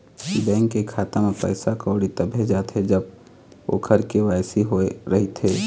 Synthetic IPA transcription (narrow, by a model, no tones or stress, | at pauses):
ibɛ̃ːŋkːekʰaːt̪emẽpə̰ːsakɔːɽit̪ɐbʱed͡ʒaːt̪ɦɛd͡ʒəb̚ | o̰kʰɐɾkeʋaːɪsiɦoeɾɐɦit̪ɦeː